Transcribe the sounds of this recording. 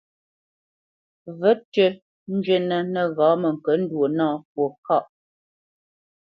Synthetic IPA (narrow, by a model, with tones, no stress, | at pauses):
və˦tə˦ | n̩˦d͡ʒwe˦nə˨nə˨ɣɔ̃ː˨˦mə˨ŋ̩˨kə˨˦n̩˦dwo˨nɔ̃ː˦˨p̚wo˨ka˦˨ʔ